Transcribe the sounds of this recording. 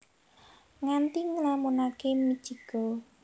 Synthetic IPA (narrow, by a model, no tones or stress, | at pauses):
ŋant̪iŋəlamunakemid̥ʒ̥iɡ̥ɔ